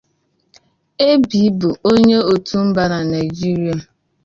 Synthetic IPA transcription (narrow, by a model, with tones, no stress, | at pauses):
e˦bi˨˦bʊ˨o˦ɲe˦o˨tu˦m̩˦ba˨na˨na˨ɪ˨d͡ʒi˦ɾi˦a˨